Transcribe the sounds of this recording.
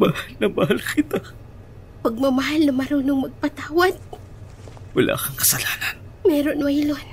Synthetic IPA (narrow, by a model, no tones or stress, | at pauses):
mahalnɐmɐɦalkɪt̪a | pɐɡ̚mɐmɐɦalnɐmɐɾuːnoŋmɐɡ̚pɐt̪aːwad̪̚ | wɐlʔa̰ːkɐŋkɐ̥sɐlaːnanmɛːɾonwajlon